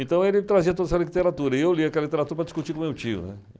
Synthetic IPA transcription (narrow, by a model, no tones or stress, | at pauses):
ẽnt̪ɐ̃w̃elɪt̪ɾaziɐt̪od̪ɛsɐliit̪eɾat̪uɾɐiewliɐkɛlɐlit̪eɾat̪uɾɐpɾɐd̪i̥skut͡ʃikõmewt͡ʃiʊ̰nɛ̰